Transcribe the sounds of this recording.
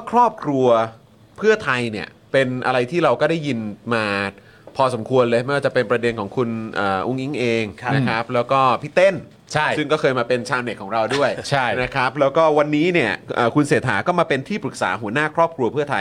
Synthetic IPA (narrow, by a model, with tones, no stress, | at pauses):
kʰɾɔː˥˩p̚kʰɾu˧ɐ | pʰɯ˥˩ɐt̪ʰa˧jni˦˥˩ɐə | pe˧nʔa̰˧ɾa˧jt̪ʰiː˥˩ɾa˧wkɔː˥˩da˥˩jːi˧nmaː˧ | pʰɔː˧so˩˦mkʰu˧ənlɤː˧jma˥˩waː˥˩t͡ɕa˨˩pe˧npɾa˧de˧nkʰɔː˩˦ŋkʰu˧nʔəː˨˩ʔu˧˥ŋʔi˦˥ŋʔeː˧ŋ˧na˦kʰa˦˥p̚lɛː˦˥wkɔː˥˩pʰi˦˥t̪e˥˩n | t͡ɕʰa˥˩jssɯ˥˩ŋkɔː˥˩kʰɤː˧jmaː˧pe˧nt͡ɕʰaː˧wne˨˩kʰːɔː˩˦ŋɾa˧wdu˥˩əjt͡ɕʰa˥˩jna˦˥kʰɾa˦˥p̚lɛː˦˥wkɔː˥˩wa˧nːiː˦˥ni˥˩ɐʔɤː˨˩kʰu˧nseː˨˩˦t̪ʰːa̰ː˩˦kɔː˥˩maː˧pe˧nt̪ʰiː˥˩pɾɯ˨˩k̚sa̰ː˩˦ɦu˩˦ənaː˥˩kʰɾɔː˥˩p̚kʰɾu˧pʰɯ˥˩ɐt̪ʰa˧j